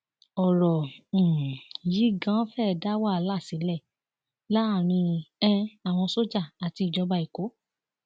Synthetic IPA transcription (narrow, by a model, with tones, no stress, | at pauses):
ɔ˨ɾɔ̃˨ | ji˨˦ɡã˦fɛ˦˨da˦wa˦˨˦la˦˨si˨˦lɛ˦˨ | la˦˨ɾ̃ĩ˧ɛ̃˦a˨w̃ɔ̃˧so˦d͡ʒa˦˨a˨ti˧i˨d͡ʒɔ˧ba˧i˨ko˨˦